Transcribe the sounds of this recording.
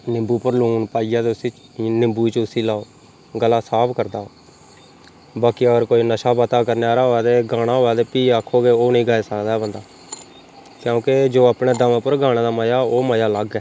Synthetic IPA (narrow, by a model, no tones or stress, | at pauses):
nɪmbuːpəɾluːnpaːijaːt̪eʊsiː | nɪmbuːt͡ʃʊsiːlaːoː | ɡəlːaːsaːpʰkəɾd̪aː | baːkiəɡəɾkoːiːnəʃaːbət̪aːkəɾneaːɾaːɦoːɛːt̪eːɡaːɽ̃aːɦoːɛːt̪eːpiːaːkʰːoːɡeːoːnĩːɡaːeːsəkd̪aːɦɛːbənd̪aː | kjõːked͡ʒoːaːpɳeːd̪əmẽːpəɾɡaːɽ̃eːd̪aːməjaːoːməjaːləɡɛː